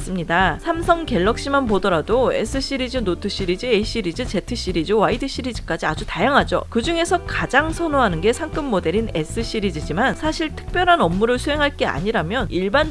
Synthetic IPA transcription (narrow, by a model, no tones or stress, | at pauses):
s͈ɯmɲidasʰamsʰʌŋke̞ɭːʌk̚ɕ͈imanpodʌɾadoe̞̰s͈ʰɯɕ͈ʰiɾid͡ʑɯnotʰɯɕ͈iɾid͡ʑɯeiɕ͈iɾid͡ʑɯt͡ɕe̞tʰɯɕ͈iɾid͡ʑɯwaidɯɕ͈ʰiɾid͡ʑi̥k͈ad͡ʑiad͡ʑutajaŋɦad͡ʑo̰kɯd͡ʑuŋe̞sʰʌkad͡ʑaŋsʰʌnoɦanɯnɡe̞sʰaŋk͈ɯmːode̞ɾine̞s͈ʰɯɕ͈iɾid͡ʑid͡ʑimansʰaɕʰiɭtʰɯ̥k̚p͈jʌɾɦanʌmːuɾɯɭsʰuɦe̞ŋɦaɭk͈e̞a̰ɲiɾamjʌniɭban